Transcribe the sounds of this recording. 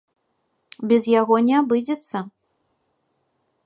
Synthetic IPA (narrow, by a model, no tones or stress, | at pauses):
bʲɛzjaɣɔnʲɛabɨd͡zʲɛt̪sːɐ